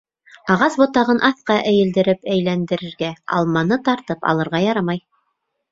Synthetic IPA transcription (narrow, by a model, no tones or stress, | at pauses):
ɑʁɑsbŏt̪ɑʁɤnʔɑθqɑʔæjɘ̆ld̪ɘ̆ɾɘpæjlænd̪ɘ̆ɾɘ̆ɾɡæɑ̰lˠmɑnɤt̪ɑɾt̪ɤpɑ̰lˠɤ̆ɾʁɑjɑɾɑmɑj